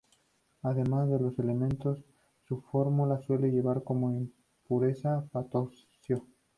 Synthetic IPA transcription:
aðe̞mazðe̞lo̞se̞le̞mẽ̞nt̪o̞sː | ufo̞ɾmulaswe̞le̞ʝe̞β̞aɾko̞mo̞im | puɾe̞sapat̪o | sjo

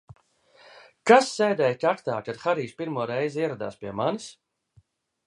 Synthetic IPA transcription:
kasːɛjd̪ɛjkakt̪aːkad̪xaɾiːʃpʲiɾmuɔɾɛjziɛɾad̪a̰ːspʲiɛmanis

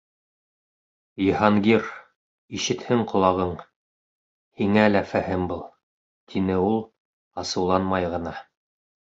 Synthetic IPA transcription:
jɤ̆hɑŋɡiɾ | iʃɘ̆t̪hɘŋqʰŏlˠɑʁɤɴ | hiŋælæfæhɘmbulˠ | t̪ʰinɘulˠ | ɑsɤ̆wlˠɑnmɑjʁɤ̆nɑ

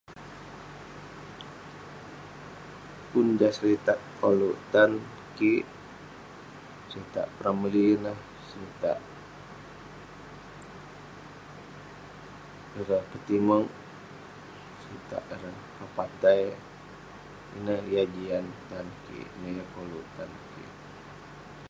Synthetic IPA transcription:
undasəɾit̪aʔkolut̪an | kiʔ | səɾit̪a̰ʔpɾaməlinah | səɾit̪a̰ʔ | əɾəpət̪iməŋ | səɾit̪a̰ʔəɾənpapat̪aj | ḭnəjad͡ʒiant̪ankḭʔnəjəkolut̪ankḭʔ

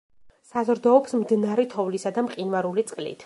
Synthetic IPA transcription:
sazɔɾd̪ɔɔpsmd̪inaɾɛt̪ʰɔvlisad̪amqʼinvaɾulit̪sʼqʼlḭt̪ʰ

